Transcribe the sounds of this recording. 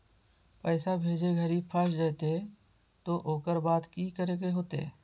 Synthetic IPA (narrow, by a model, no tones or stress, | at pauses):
pəːɪsabʱeːd͡ʒeɡʱəɾipʰasd͡ʒat̪e | t̪oʔoːkəɾbaːt̪kikəɾekeɦoːt̪ḛː